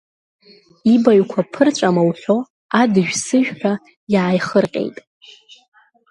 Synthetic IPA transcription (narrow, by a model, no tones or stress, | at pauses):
ibaɥkʷʰapʰɨrt͡ʃʷʼamawɬo | adɨʒᶣsɨʒᶣħᶣa | jaːjχərqʲʼḛjtʼ